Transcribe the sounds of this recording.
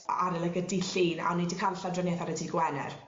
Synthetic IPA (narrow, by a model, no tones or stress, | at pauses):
a̰ɾɛlˠɛɡədiɬiːna̰nidikʰanɬadrɛneθaɾɛdʰiɡwɛnɛ̰r